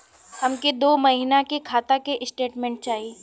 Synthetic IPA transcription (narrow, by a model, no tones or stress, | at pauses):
hɐmked̪oːmɐɦinakekʰaːt̪akeʔɪsʈeːʈmẽːɳʈ̚t͡ʃaːɦieː